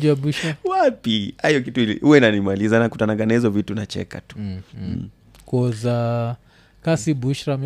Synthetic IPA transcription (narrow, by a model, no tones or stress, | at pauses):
d͡ʒiabuʃɾawapiajɔk̬ituilihuwɛnanimalizanakutanaɡanahizɔvitunat͡ʃɛ̰ka̰tu̥ | kɔza | kasibuʃɾam